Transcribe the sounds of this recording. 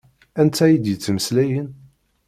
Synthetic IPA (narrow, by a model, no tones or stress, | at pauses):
ænt̪ʰːæjid̪jət͡sːməslæjən